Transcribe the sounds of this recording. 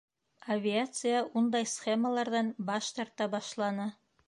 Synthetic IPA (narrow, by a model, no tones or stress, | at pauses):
avʲɪat̪sɨjaʔund̪ɑjsχʲeməlˠɑɾðɑnbɑʃt̪ɑɾt̪ɑbɑʃlˠɑnɤ